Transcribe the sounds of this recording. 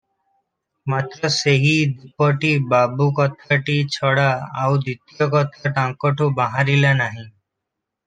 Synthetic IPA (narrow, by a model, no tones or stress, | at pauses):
mat̪ɾɔseɦid̪ipɔʈibabukɔt̪ʰaʈit͡ʃʰɔɽaawd̪it̪ijɔkɔt̪ʰaʈãŋkɔʈʰubaɦaɾilanaɦĩ